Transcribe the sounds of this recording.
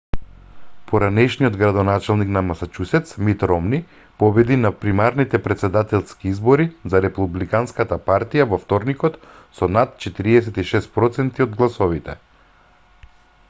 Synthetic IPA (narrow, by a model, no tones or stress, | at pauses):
pɔɾanɛʃnijɔd̪ɡɾad̪ɔnat͡ʃalˠniknamasat͡ʃusɛt̪smit̪ɾɔmni | pɔbɛd̪inapɾimaɾnit̪ɛpɾɛt̪sɛd̪at̪ɛlˠskiizbɔɾizaɾɛpublikanskat̪apaɾt̪ijavɔft̪ɔɾnikɔt̪ | sɔnat̪̚t͡ʃɛt̪iɾiɛsɛt̪iʃɛst̪̚pɾɔt̪sɛnt̪iɔd̪ɡlˠasɔvit̪ɛ̰